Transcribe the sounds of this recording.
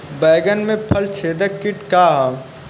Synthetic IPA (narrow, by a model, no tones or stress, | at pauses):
bɛːɡənmẽpʰəlt͡ʃʰeːd̪əkːɪʈkaːɦ